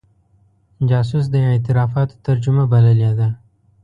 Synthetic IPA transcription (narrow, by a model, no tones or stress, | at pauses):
d͡ʒɑːs̬us̬d̪əj̃et̪ɪɾɑːfɑt̪o̥t̪aɾd͡ʒumabɐlaljad̪a